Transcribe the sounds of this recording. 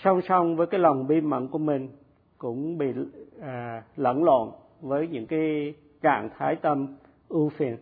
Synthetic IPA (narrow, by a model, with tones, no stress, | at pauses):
sa˧wŋ͡msa˧wŋ͡mvəː˨˦jkaː˨˦jla˨˩wŋ͡mɓi˧mə̰˧˨nku˧˩əmï˨˩ŋ̟ | kʊ̰˧˥ŋ͡mɓḭ˧˨ | lə̰˧˨nlo̰˧˨n | vəː˨˦jɲɨ̰˧˥ŋkaː˨˦j | t͡ɕa̰ː˧˨ŋt̪ʰaː˨˦jt̪ə˧m | ʔu˧fi˨˩ən